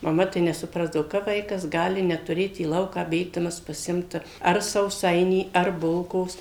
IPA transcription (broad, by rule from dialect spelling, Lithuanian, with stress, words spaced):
mɐˈmɐ tɐɪ nʲɛsʊˈprɑːzdɐʋoː kɐp ˈʋɐɪkɐs ˈɡɑːlʲɪ nʲɛtʊˈrʲeːt iː ˈlˠɐʊkɑː ˈbʲeːɡdɐmɐs pɐˈsʲɪmt ɐr sɐʊˈsɐɪnʲiː ɐr ˈbʊlˠkoːs